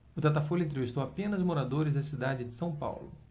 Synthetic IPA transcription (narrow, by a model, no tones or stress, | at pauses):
ʊt̪at̪afolʊẽnt̪̬ɾevist̪owapẽnɐzmoɾad̪oɾɪzd̪ɐsid̪ad͡ʒɪd͡ʒɪ̥sɐ̃w̃pa̰wlʊ̰